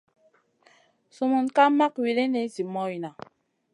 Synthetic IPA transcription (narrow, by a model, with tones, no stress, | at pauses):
su˨mu˨nka˦ma˦kwi˨le˦ne˨˦zi˨mɔ˦i˨na˨